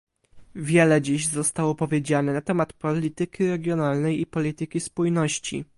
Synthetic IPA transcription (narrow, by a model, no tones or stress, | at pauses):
vʲjɛlɛd͡ʑiʑzɔst̪awɔpɔvʲjed͡ʑanɛnat̪ɛmat̪pɔlʲit̪ɘkʲiɾɛɡʲjɔnalnɛjipɔlʲit̪ɘkʲispujnɔɕt͡ɕḭ